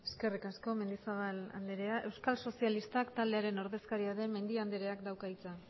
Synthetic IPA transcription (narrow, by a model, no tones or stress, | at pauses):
e̞ske̞rikasko̞me̞nd̪isaβala̰nd̪eɾe̞aʔe̞wskalso̞sialist̪akt̪ald̪eaɾe̞no̞ɾðe̞skaɾiaðe̞me̞nd̪iand̪eɾe̞akd̪awkait͡sa